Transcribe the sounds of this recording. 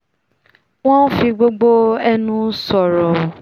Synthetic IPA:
w̃ɔ̃˦n̩˦fĩ˧ɡ͡bo˦ɡ͡bo˦ɛ˦nũ˦sɔ˨ɾɔ˨o˨

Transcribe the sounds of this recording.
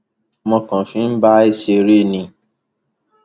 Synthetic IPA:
mɔ̃˧kã˨fĩ˨˦n̩˦ba˦e˦ʃe˧ɾe˦˨nĩ˧˨

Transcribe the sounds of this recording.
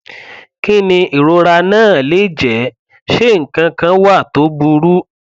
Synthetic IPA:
ki˦nĩ˧i˨ɾo˧ɾa˧nãː˦˨le˨˦˨d͡ʒɛ˨˦ | ʃe˦ŋ̩˨kã˧kã˧wa˦˨to˨˦bu˧ɾu˦

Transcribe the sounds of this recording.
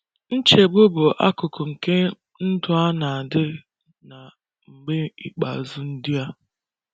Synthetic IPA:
n̩˦t͡ʃe˨bʊ˦bʊ˨ʔa˦kʊ˨kʊ˨ŋ̩˨ke˦ | n̩˦dʊ˨a˦na˨a˨dɪ˦ | na˨ | ŋ͡m̩˨ɡ͡be˦i˨k͡pa̰˨zʊ˦n̩˦dɪ˦a˦

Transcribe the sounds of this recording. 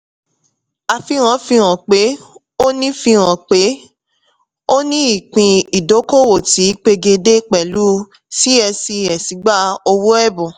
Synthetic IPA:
a˧fi˧ɾ̃ã˨˦fi˧ɾ̃ã˨k͡pe˨˦ | o˦nĩ˦fi˧ɾ̃ã˨k͡pe˨˦ | o˦nĩ˦i˦˨k͡pĩ˧i˨do˨˦ko˦˨wo˦˨ti˨˦k͡pe˧ɡe˧de˦k͡pɛ˨lu˨˦ | ti˦ɛ˧si˧ɛ˨si˨˦ɡ͡ba˦o˧wu˦ɛ˦˨bũ˨

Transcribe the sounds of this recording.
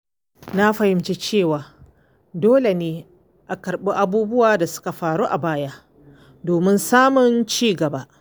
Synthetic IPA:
na˦ɸɐ˨hɪ˨˦mt͡ʃeː˦t͡ʃeː˦˨waː˨ | doː˦le˨neː˨˦ | ʔa˨kɐ˨ɾɓi˦ʔa˦buː˦bʊ˦waː˨da˨sʊ̥˦ka˨ɸaː˨ɾu˦ʔa˨baː˦ja˦ | doː˨mɪ˦nsaː˦mʊ˨nt͡ʃiː˦˨ɡɐ˨ba˦

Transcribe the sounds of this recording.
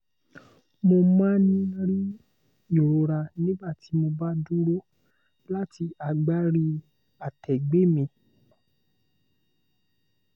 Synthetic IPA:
mo˧mã˦nĩ˦ɾi˦ | i˦˨ɾo˨ɾa˧nĩ˦ba˦˨ti˧mo˧ba˦du˦ɾo˦ | la˦ti˧a˨ɡ͡ba˦ɾi˧ | a˨tʰɛ˨ɡ͡be˨˦mĩ˧

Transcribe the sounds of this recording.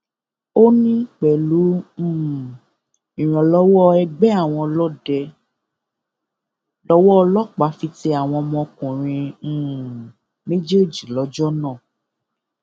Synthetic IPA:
o˦nĩ˦k͡pɛ˨lũ˨˦˨ | ĩ˨ɾ̃ɔ̃˨lɔ˦wɔ˦ɛ˧ɡ͡bɛ˦a˦˨w̃ɔ̃˧lɔ˦dɛ˧ | lɔ˧˦wɔ˦ɔ˧lɔ˦˨k͡pa˨˦fi˧ti˧a˨w̃ɔ̃˧mɔ̃˧kũ˨ɾ̃ĩ˧˦˨ | me˦d͡ʒe˦o˦˨d͡ʒi˨lɔ˨˦d͡ʒɔ˦nãː˦˨

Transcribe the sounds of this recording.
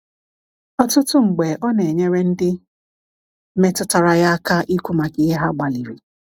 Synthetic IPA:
ɔ˦tʊ˦tʊ˦ŋ͡m̩˨ɡ͡be˨ʔɔ˦ne˨ɲe˦ɾe˦n̩˦dɪ˦ | me˦tʊ˦ta˨ɾa˨ja˦ka˦ʔi˦kʷu˦ma˨kɪ˨ɦe˦ɦa˦ɡ͡ba˨li˨ɾi˨

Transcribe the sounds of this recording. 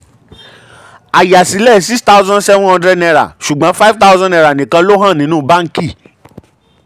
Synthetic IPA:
a˨ja˨si˨˦lɛ˦˨si˦sta˦u˦zã˦n˦sɛ˦vũ˦ɔ̃˧ndɾɛ˦dnɛ˧ɾa̰˨ʃu˨ɡ͡bã˨˦fa˦i˦vta˦zã˦nɛ˧ɾa˨nĩ˨kã˧lo˦ɦã˦˨nĩ˨˦nũː˦˨ba˦ŋ̩˦ki˦˨

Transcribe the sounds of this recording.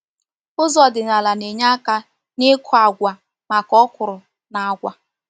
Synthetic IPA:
ʊ˦zɔ˨dɪ˨na˨la˨ne˨ɲa˦ka˦ | nɪ˦kʰʊ˨a˨ɡʷa˨ | ma˨kɔ˦kʷʊ˨ɾʊ˨ | na˨a˦ɡʷa˦

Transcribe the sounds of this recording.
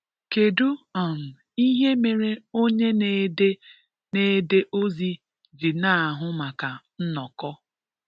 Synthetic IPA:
ke˨du˦ɔ˨n̩˨ | i˦ɦe˦me˨ɾe˦o˦ɲe˦ne˨de˦ | ne˨˦de˦ʔo˦zi˦ | d͡ʒi˨na˦a˨ɦʊ˦ma˨ka˨n̩˦nɔ˨kɔ˦

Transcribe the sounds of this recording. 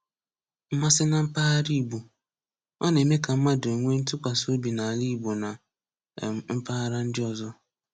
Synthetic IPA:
m̩˦ma˦sɪ˦na˨m̩˦paː˦a˦ɾi˦˨bu˨ | ɔ˦ne˨me˦ka˨m̩˦ma˦do˨ŋʷe˦n̩˦tʊ˦kʷa˨so˦bi˨na˨li˦˨bo˨na˨ | m̩˦pa˦a˦ɾa˦n̩˦dɪ˦ɔ˨zɔ˦

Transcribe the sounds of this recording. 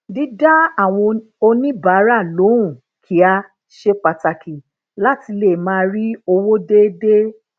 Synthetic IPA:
di˦da˦a˦˨w̃ɔ̃˧ | o˧nĩ˦ba˨˦ɾa˦˨lo˨˦ũ˨ | kʰi˨˦a˧ | ʃe˦k͡pa˧ta˨ki˨ | la˦ti˧le˨mãː˦˧˦ɾi˦o˧wo˦de˦de˦

